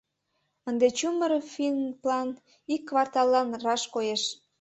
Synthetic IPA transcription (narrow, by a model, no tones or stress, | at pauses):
ənd̪et͡ɕuməɾfinplɑn | ikːvɑrt̪ɑlːɑnrɑʃkojeʃ